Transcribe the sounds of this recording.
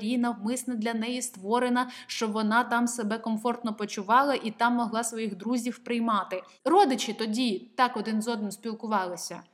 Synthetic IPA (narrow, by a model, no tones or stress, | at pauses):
ɾʲinɐwmɪsnɐd̪lʲɐnɛjist̪ʋɔɾenɐʃt͡ʃɔʋɔnɑt̪ɑmsebɛkɔmfɔrt̪nɔpɔt͡ʃʊʋɑlˠɐʔit̪ɑmːɔɦlˠɑsʋɔjiɣd̪ɾuzʲiwpɾɪjmɑt̪ɪ | rɔd̪ɪt͡ʃɪt̪ɔdʲit̪ɑkɔd̪ɪnzɔd̪nɪmsʲpʲilˠkʊʋɑlˠɪsʲɐ̰